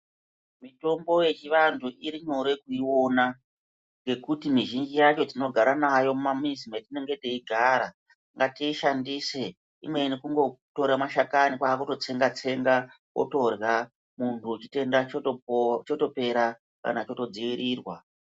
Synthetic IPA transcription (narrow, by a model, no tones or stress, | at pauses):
mito̞mbo̞je̞t͡ʃiʋantʰuʔiɾiɲo̞ɾe̞kuiwo̞na | ŋɡe̞kutimiʒind͡ʒijat͡ʃo̞d͡zino̞ɡʱaɾanajo̞mumamizimetine̞ŋɡe̞teiɡʱaɾa | ŋɡatiiʃandise̞ | imwe̞inikuŋɡo̞to̞ɾamaʃakanikwaːkuto̞t͡se̞ŋɡat͡se̞ŋɡa | wʔo̰to̞rja | muntʰuut͡ʃi̥te̞nda | t͡ʃoto̞pe̞ɾa | ka̰nat͡ʃo̞to̞d͡ziʋiɾiːrwa